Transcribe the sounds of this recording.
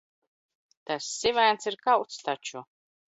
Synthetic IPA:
t̪asːivæːnt̪siɾkawt̪st̪at͡ʃu

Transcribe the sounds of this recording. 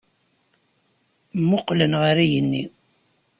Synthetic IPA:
mːʊqlənʁəɾæjənːi

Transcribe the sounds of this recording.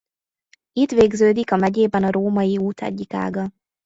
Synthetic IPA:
it̪ʋeːɡzøːd̪ikɒmɛɟeːbɛnɒɾoːmɒjiuːt̪ʰɛ̰ɟːika̰ːɡɒ

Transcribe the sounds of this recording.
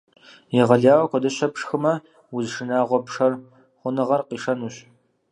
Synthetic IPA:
jɛʁɐɮaːwɐkʷɔdɐɕɐpʂxɨmɐ | wʊzʂɨnaːʁʷɔpʂɐr | χʷʊnɨʁɐrqiːʂɐnuːɕ

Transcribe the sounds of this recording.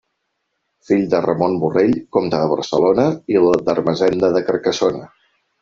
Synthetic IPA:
fiʎd̪ərəmonbureʎkomt̪əðəβ̞ə̰ɾsəlonəild̪ərməzɛnd̪əðəkəɾkəsonə

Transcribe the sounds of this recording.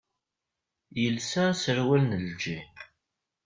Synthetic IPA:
jəlsaɾsəɾwælnəld͡ʒi

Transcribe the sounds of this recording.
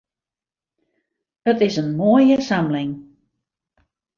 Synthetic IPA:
ətɪsənmoəjəsamlɪŋ

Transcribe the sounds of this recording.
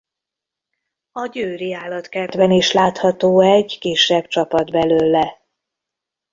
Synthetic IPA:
ɒɟøːɾiaːlɒt̪kɛd̪ʋɛniʃlaːt̪hɒt̪oːɛɟkiːʃːɛbt͡ʃɒpɒd̪bɛløːlːɛ

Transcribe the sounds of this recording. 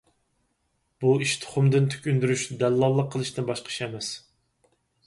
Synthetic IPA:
b̥uiʃt̪ʰɨ̥χʊmd̪ɨnt̪ʰy̥kʲynd̪yɾyʃd̪ɛlːɑlˠːəqʰːəlˠɨʃt̪ɨnbɑʃqʰə̥ʃɛmɛs

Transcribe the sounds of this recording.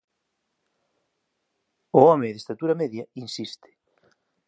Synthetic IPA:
ʊɔmɪðest̪at̪uɾɐmeðjɐinsist̪ɪ̥

